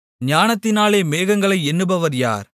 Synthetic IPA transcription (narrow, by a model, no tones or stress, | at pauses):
ɲaːnɐt̪ːɪnaːleːmeːɣɐŋɡɐɭɐɪɛnːɯbɐʋɐɾja̰ːɾ